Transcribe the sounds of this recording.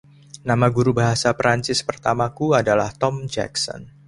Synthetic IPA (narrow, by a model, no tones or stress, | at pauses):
namaɡuɾubaɦasapɾaɲt͡ʃɪspərt̪amakuadalaht̪ɔmd͡ʒɛ̰ksɔ̰n